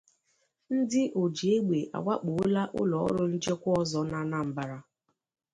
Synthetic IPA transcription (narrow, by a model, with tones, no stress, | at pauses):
n̩˦dɪ˦ʔo˨d͡ʒi˨e˦ɡ͡be˨ʔa̰˨wʷa˦k͡po˨˦la˦ʔʊ̰˦lɔ˨ɔ̰˦ɾʊ˦n̩˦t͡ʃe˦kʷʊ˦ɔ˦zɔ˦na˦na˦m̩˨ba˨ɾa˦